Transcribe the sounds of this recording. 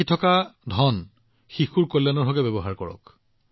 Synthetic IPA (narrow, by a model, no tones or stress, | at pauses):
itʰɔkadʱɔn | xixuɹkolːjanɔɹɦɔɡɛbɛbɔɦaɹkɔɹɔ̰k